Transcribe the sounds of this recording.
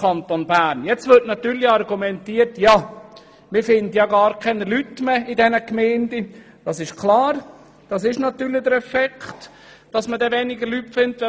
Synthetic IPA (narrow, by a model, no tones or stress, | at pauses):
kʰɑnt̪onbæːɾnjɛt͡stvɪɾtnɑt̪yːɾlɪɑrɡumɛntiːəɾtja | mɪfɪndəjɑɡɑːɾkʰɛnəlytmeidɛnəkmɛːndə | d̥ɑsɪʃkʰlɑːɾ | d̥ɑs̬ɪʃnɑt̪yːlɪd̥̪əɾɛfɛkχt | d̥ɑsmədɛʋɛnɪɡəlytfɪntʋɛ